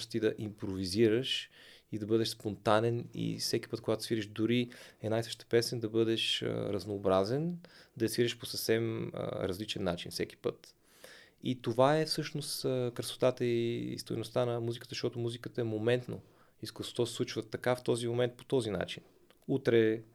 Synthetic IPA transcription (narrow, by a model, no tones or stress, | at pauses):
st̪id̪ɐʔimpɾoviziɾəʃid̪ɐbɤd̪ɛʃspont̪anɛnḭfsɛki̥pɤt̪̚koɡat̪o̥sviɾɛʃd̪ʊɾiɛnajsə̥ʃt̪ə̥pɛsɛnd̪ɐbɤd̪ɛʃə̰ɾɐznoːbɾazɛnd̪ɐɐsvʲiɾəʃposəfsɛmə̰ɾɐzlit͡ʃɛnːat͡ʃinfsɛki̥pɤ̰t̪ | it̪ovaɛfsɤʃnost̪əkɾəso̥t̪at̪əist̪o̰jnost̪anɐmuzikət̪əzəʃt̪ɔt̪ʊmuzikət̪əɛmomɛnt̪no | iskso̥t̪ɔssˠut͡ʃvət̪ːɐkaft̪ɔzimomɛnt̪̚po̥t̪ɔzina̰t͡ʃin | ut̪ɾɛ